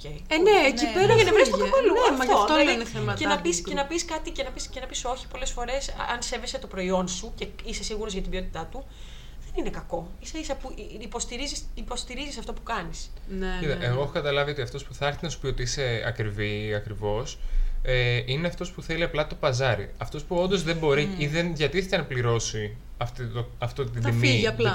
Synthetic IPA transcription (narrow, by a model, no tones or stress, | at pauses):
ocejneecipeɾɐenevɾest̪okɐkolunfɐtt̪ɐofoeineθemɐenɐpisse̞nɐpiskɐt̪ice̞nɐpiscenɐpiso̞çi̥po̞le̞sfo̞ɾe̞sɐnse̞ve̞set̪o̞pɾo̞io̞nsuceise̞siɣuɾozʝɐt̪ibio̞t̪it̪ɐt̪u | ðe̞nine̞kɐko̞iseisɐpuipo̞st̪iɾizisipo̞st̪iɾizisɐft̪o̞pukɐnisncit̪ɐʔeɣo̞exokɐt̪ɐlɐvio̞t̪iɐft̪o̞spuθɐɾθinɐsu̥pio̞t̪iise̞ɐ̰kɾiviɐkɾivo̞seineɐft̪o̞spuθeliɐplɐt̪o̞pɐzɐɾḭɐft̪o̞spuo̞nd̪o̞zðe̞mbo̞ɾiiðenʝɐt̪iθet̪enɐpliɾo̞si | ɐft̪it̪oɐft̪ot̪id̪imiɐplɐ